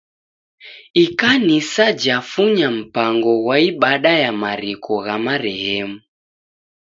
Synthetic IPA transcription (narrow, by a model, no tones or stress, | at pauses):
ikanisad͡ʒafuɲam̩paŋɡɔwaiɓaɗajamaɾikʰɔɣamaɾɛhɛmu